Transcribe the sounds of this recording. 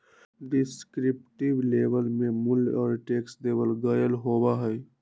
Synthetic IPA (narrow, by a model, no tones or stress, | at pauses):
ɖɪskɾɪp̚ʈɪblebəlmẽmʊlɔ̰ːɾʈeːksleːbəlɡəjəlɦoːbaɦɛː